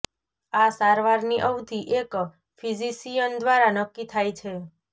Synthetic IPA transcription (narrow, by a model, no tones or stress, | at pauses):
asaɾʋaɾniʔəwd̪iʔek | fizisijənd̪ʋaɾanəkːit̪ʰajt͡ʃʰe